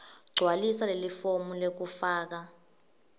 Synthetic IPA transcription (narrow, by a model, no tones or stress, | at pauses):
ɡ͡ǀʱwalisalelifomulek̬ufaːk̬a